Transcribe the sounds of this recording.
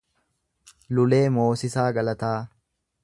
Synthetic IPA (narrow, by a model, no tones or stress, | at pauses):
lʊle̞ːmo̞ːsɪsaːɡɐlɐt̪aː